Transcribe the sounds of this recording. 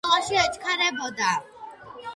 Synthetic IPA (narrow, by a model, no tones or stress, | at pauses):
laʃiɛt͡ʃʰkʰaɾɛbɔd̪a